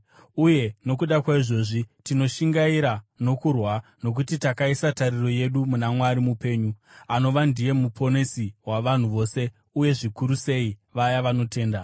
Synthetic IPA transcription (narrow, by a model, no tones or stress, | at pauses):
uje̞no̞kuɗakwaiʐo̞ʐitino̞ʃiŋɡaiɾano̞kurwano̞k̬utitakaisatariro̞je̞ɗumunamwaɾimupe̞ːɲuano̞ʋandije̞mupʰo̞nesiwaʋan̤uʋo̞ːse̞ | uje̞ʐikuɾuse̞iʋajaʋano̞te̞ːnda